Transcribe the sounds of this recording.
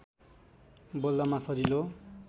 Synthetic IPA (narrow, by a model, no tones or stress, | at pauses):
bold̪amasʌd͡zilo